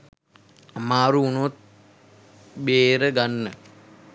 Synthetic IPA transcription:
maːɾuːnot̪̚ | beːɾəɡanːə

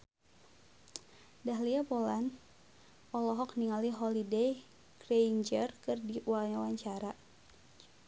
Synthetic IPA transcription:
daɦliapolan | ʔɔlɔɦɔk̚niŋaliɦɔlidej | krend͡ʒərkɨrdiwaɲawaɲt͡ʃaɾa

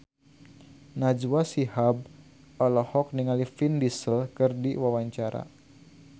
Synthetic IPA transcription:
nad͡ʒwasihab̚ | ɔlɔhɔk̚niŋalifindisəlkɨrdiwawaɲt͡ʃaɾa̰

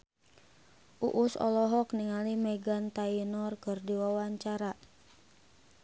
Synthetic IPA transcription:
ʔṵʔusɔ̰lɔɦɔk̚niŋalimɛɡant̪ainɔrkɨrdiwawaɲt͡ʃaɾa

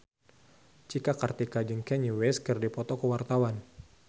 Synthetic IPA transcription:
t͡ʃikakart̪ikad͡ʒəŋkɛɲiwɛskərdipɔt̪ɔkəwart̪awan

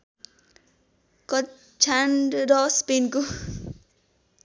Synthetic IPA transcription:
kʌ | t͡ʃʰaɳɖɾʌspinko

